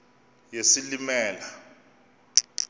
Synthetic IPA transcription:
jesilimɛːla

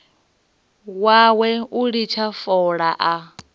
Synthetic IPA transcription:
wawɛuɺit͡ʃʰafɔɺaʔa

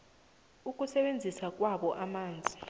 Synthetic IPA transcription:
uk̬ʼusɛɓend͡zʱisak̬ʼwaɓɔʔamaːnd͡zʱi

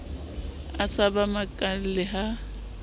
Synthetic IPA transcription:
asabamakʼal̩lɪɦa

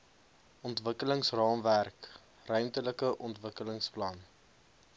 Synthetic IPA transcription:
ɔntvəkələŋsrɑːmværk | rœɥmtələkəʔɔntvəkələŋsplɐn

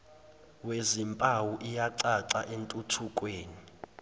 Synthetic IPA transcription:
wezimpʼawuʔijaǀaǀaʔentʼutʰukʼweːni

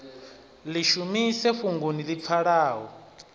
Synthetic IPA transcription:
liʃumisɛɸuŋɡunilip̪fʰaɺaːɦɔ

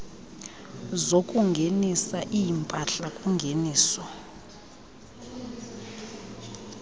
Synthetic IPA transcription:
zokʼuŋɡʱenisaʔijimpʼaɬakʼuŋɡʱeniːsɔ

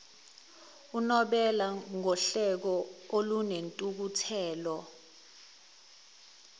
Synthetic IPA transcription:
unɔɓɛlaŋɔɬɛk̬ɔolunentʼuk̬utʰɛːlɔ

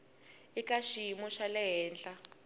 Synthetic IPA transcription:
ikaʃiimɔʃalɛɦɛːnd͡ɮʼa

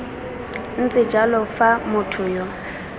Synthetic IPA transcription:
n̩t͡sʼɪd͡ʒalɔfamʊtʰʊjɔ

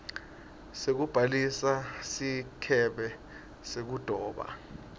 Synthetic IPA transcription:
sek̬ub̥ʱalisasikʰɛɓɛ | sek̬ud̥ʱɔːɓa̰

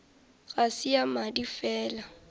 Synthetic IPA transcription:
ɣasɪamadifɛːla

